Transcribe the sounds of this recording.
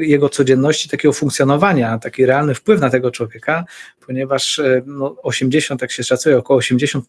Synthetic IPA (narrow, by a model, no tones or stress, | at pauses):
jɛɡɔt̪sɔd͡ʑɛnːɔɕt͡ɕi̥t̪akʲɛɡɔfuŋkt̪sʲjɔnɔvaɲat̪akʲiɾɛalnɘfpwɘfnat̪ɛɡɔt͡ʂwɔvʲjɛkapʰɔɲɛvaʂnɔɔɕɛmd͡ʑeɕɔnt̪jakɕɛʂat̪sujɛɔkɔwɔːɕɛmd͡ʑeɕɔnt̪